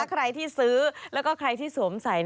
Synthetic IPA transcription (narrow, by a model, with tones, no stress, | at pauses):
a˦˥kʰɾa˧jt̪ʰiː˥˩sɯː˦˥lɛː˦˥wkɔː˥˩kʰɾa˧jt̪ʰiː˥˩su˩˦msa˩˦jn